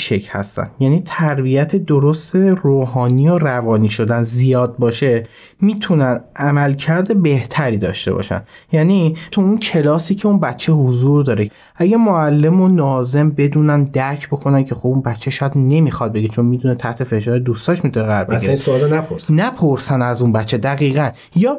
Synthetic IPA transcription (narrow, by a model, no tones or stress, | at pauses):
ʃecʰhæ̰st̪æ̰nd̪̥jæniːt̪ʰæɾbijæt̪ʰe̞d̪oɾost̪e̞roːɦɒːniːjorævɒːniːʃo̞d̪ænzijɒːd̪̚bɒːʃe̞ | miːt̪ʰunænʔæmælcʰæɾd̪e̞be̞ht̪ʰæɾiːd̪ɒ̰ːʃt̪e̞̰bɒ̰ːʃæ̰njæːnit̪ʰuuncʰe̞lɒːsiːcʰe̞unbæt̪t͡ʃʰːe̞hozuɾd̪ɒːɾe | ʔæɟæmoælːe̞monɒːze̞mbe̞d̪uːnænd̪æɾcʰbo̞kʰo̞næncʰe̞xobunbæt̪t͡ʃʰːeʃɒːjæd̪ne̞mixɒd̪̚be̞ɡet͡ʃʰo̞nmit̪ʰunet̪ʰæht̪ʰe̞fe̞ʃɒːɾed̪ust̪ɒːʃmit̪ʰuneɣæɾbesoɒːlenæpʰoɾsnæpʰoɾsænæzunbæt̪t͡ʃʰːe̞d̪æɣiːɣæn | jɒː